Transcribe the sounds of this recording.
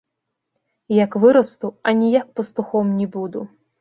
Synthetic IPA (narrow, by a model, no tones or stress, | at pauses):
jɐkʋɪɾɔst̪ʊɐnʲijak̚pɔst̪ʊxɔmnʲibud̪ʊ